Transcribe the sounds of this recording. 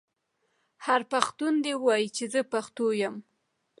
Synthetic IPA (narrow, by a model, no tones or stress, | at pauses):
haɾpaxt̪und̪ewɑjit͡ʃezəpaxt̪ojam